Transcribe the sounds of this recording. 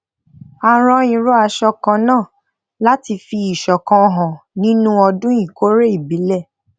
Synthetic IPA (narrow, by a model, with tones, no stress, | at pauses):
a˧ɾ̃ɔ̃˧ĩ˨ɾo˦a˧ʃɔ˧kã˧nãː˦˨ | la˦ti˧fi˧i˨ʃɔ˨kã˧˨ɦã˨nĩ˦nũ˦ɔ˧dũ˦ĩ˦˨ko˨˦ɾe˦i˦˨bi˨˦lɛ˦˨